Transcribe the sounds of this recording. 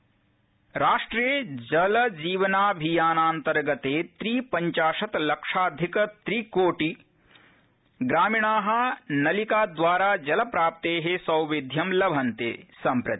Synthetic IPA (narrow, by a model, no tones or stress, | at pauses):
ɾaːʂʈɾijəd͡ʒɐlɐd͡ʒiːʋɐnaːbʱijaːnaːnt̪ɐɾɡɐt̪eːt̪ɾiːpɐɲt͡ʃaːʃɐt̪lɐkʂaːd̪ʱikɐt̪ɾiːkoːʈi | ɡɾaːmiɳ̃aːɦɐ̆nɐlikaːd̪ʋaːɾaːd͡ʒɐlɐpɾaːp̚t̪eːɦesɐwʋid̪ʱjɐmlɐbʱɐnt̪ḛːsɐ̃mpɾɐt̪i̥